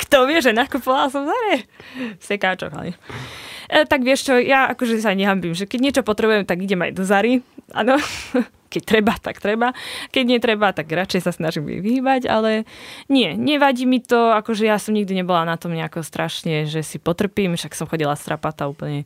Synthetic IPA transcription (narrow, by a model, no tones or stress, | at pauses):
kt̪ɔʋɪɛʒɛnakupɔʋalsɔmzaɾɛsɛkaːt͡ʃɔ̰ka̰ɲɛ | t̪aɡʋɪɛʃt͡ʃɔjaʔakɔʒɛsaɲɛɦambimʒɛkɛɟɲɪɛt͡ʃɔpɔt̪ɾɛbujɛmt̪aɡiɟɛma̰jd̪ɔzaɾiʔa̰ːnɔ | kɛc̚t̪ɾɛbat̪a̰kt̪ɾɛbakɛɟɲɪɛt̪ɾɛbat̪aɡɾat͡ʃɛjsasnaʒimɛ̰ʋiɦiːbaɟa̰lɛɲɪɛɲɛʋaɟiːmit̪ɔakɔʒɛjasɔmɲiɡd̪iɲɛbɔlanat̪ɔmɲɛakɔst̪ɾaʃɲɛʒɛsipɔt̪r̩piːmʃaksɔmxɔɟilast̪ɾʔapat̪auːpl̩ɲɛ